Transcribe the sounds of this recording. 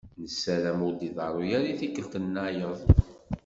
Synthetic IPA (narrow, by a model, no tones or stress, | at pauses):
nəsːælæmʊɾd̪iðˤɑɾˤʊjæɾiθikːəlt̪ənːajəðˤ